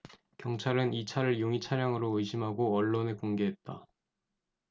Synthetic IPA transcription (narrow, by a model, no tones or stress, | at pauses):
kjʌŋt͡ɕʰaɾɯnit͡ɕʰaɾɯɭjoŋit͡ɕʰaɾjaŋɯɾoɯɕʰimɦaɡoʌɭːonekoŋɡe̞ɦe̞t̚t͈a